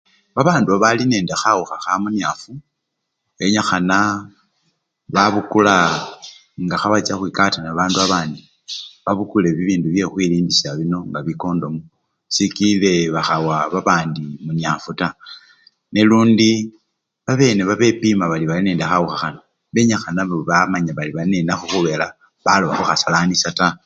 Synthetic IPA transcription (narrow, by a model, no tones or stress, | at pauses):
βaβaːnduβaβaline̞ːndexauxaxamunjafu | βe̞ɲaxana | βaβukula | ŋɡaxaβat͡saxwiːkatanaβaːnduaβaːndi | βaβukule̞βiβiːnduβje̞xwiliːndisaβino̞ŋɡaβiko̞ːndo̞mu | sikile̞βaxawaβaβaːndimuɲiafuta | neluːndi | βaβe̞ːne̞βaβe̞pimaβaliβalineːndaxauxaxana | βe̞ɲaxanaβoβamaɲaβaliβalineːnaxoxuβe̞la | βaloβaxuxasalanisata